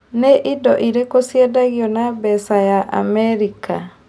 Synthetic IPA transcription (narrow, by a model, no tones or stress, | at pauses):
nɛʔidɔʔiɾekosjadaɡjonabɛsajaʔa̰mɛɾika